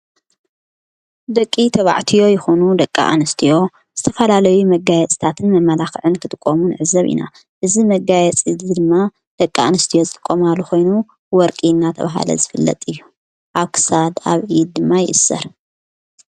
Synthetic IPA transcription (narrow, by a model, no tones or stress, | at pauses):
d̪ɐkʼːit̪ʰɐβa̰ʕt̪ʰijo̞jɪxonud̪ɐkʼːa̰ʔa̰nɨst̪ʰijo̞ | z̥ɨt̪ʰɐfɐlalɐjumɐɡajɛt͡sʼt̪ʰat̪ʰɨnmɐmːɐlaxʕɨnkʰɨt̪ʼɨkʼːomunɨʕɨzɐβʔḭna̰ | ʔɨzimɐɡajɛt͡sʼid̪d̪ɨmːa | d̪̥ɐkʼːaanɨst̪ʰijo̞zɨt̪ʼɨkʼːo̞malːuxo̞jnu | wɔɾkʼinːat̪ʰɐ̰βaɦa̰lɐ̰zɨfɨlːɐ̰t̪ʼɨjːu | ʔaβkʰɨ̥sad̪a̰βʔid̪̚d̪ɨmːajɪʔɨsːɐ̰ɾ